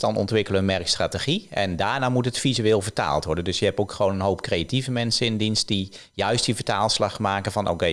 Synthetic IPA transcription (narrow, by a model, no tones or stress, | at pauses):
dɑnɔ̰ntʋɪkələənmɛrkstrateχiɛndaːɹnaːmutətfizyɪːlˠvəɹta̰ːlˠtʋɔɹdəndɵsjəɦɛpokχəʋownənɦowp̚krejativəmɛnsənɪndinst̚di | jœɥstdivəɹtaːlˠslɑχmaːkənvɑnʔo̰kej